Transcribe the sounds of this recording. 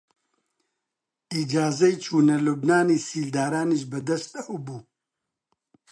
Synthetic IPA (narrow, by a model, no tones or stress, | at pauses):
iːd͡ʒaːzɐjt͡ʃʰuːnɐlubnaːniːsiːld̪aːɾaːniʃ̬bɐd̪ɐst̪ɐwubuː